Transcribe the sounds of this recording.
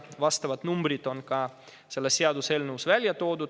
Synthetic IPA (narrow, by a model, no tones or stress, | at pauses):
ʋɑst̪ɑʋɑt̪numbrit̪onkɑː | selːɑssiɑd̪uselnuːsʋælʲjæt̪oːd̪u